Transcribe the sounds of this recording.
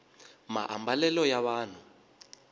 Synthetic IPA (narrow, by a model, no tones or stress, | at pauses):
ma̰ʔa̰mbalɛlɔjaβaːn̤u